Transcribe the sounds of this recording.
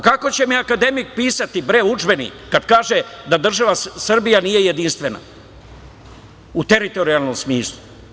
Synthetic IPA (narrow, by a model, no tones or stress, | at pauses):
kako̞t͡ɕe̞miakad̪e̞mik̚piːsat̪ibɾeud͡ʒbe̞nḭkːad̪kaːʒed̪ad̪r̩ʒaʋasr̩bijanije̞je̞d̪inst̪ʋe̞na̰ | ut̪e̞ɾit̪o̞ɾialˠno̞msmiːslˠu